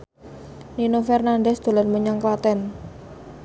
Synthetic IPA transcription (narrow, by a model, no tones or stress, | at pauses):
ninofɛrnandɛsd̪̥o̤lanməɲaŋkwat̪ɛn